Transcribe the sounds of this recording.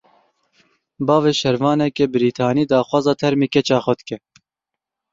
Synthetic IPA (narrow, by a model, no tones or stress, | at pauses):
bɑːveːʃɛɾvɑːnɛkebɪɾiːt̪ʰɑːniːd̪ɑːxwɑːzɑːt̪ʰɛɾmeːkɛt͡ʃɑːxɔd̪kɛ